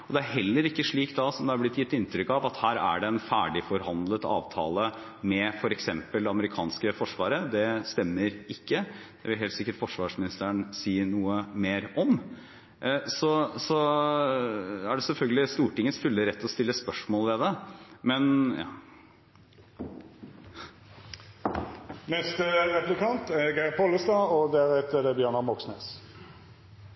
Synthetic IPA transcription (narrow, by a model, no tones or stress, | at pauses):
ɔd̪ɛæɾɦɛlːəɾɪkːəʂɭiːkt̪d̪ɑsɔmd̪ɛɑɾblɪt̪ːjɪt̪ːɪnt̪ɾʏkɑʋɑt̪hæːɾæ̰ɖɛɛnfæːɖɪfɔɾɦɑnd̪lət̪ɑ̰ːʋt̪ʰɑ̰ːlə | mɛfɔɾɛksɛmpəld̪ɛɑməɾɪkʰɑ̰ːnskəfɔʂʋɑːɾəd̪ɛst̪ɛmːəɾɪkːəd̪̥ɛʋɪlɦeːlt̪sɪkːəʈfɔʂʋɑːʂmɪnɪst̪əənsiːnuːəmeːɾɔm | sɔsɔ | æɖɛsɛlfœlɡəlɪst̪uːʈɪŋːəsfʏlːəɾɛt̪ːɔst̪ɪlːəspœʂmoːlʋɛd̪ɛmɛnɑ̰ | nɛst̪əʁɛplɪkɑnt̪æɾɡæɪɪpʰɔləst̪ɑːɔd̪æɾɛt̪ːəd̪ɛbjøːɳɑmɔksneːs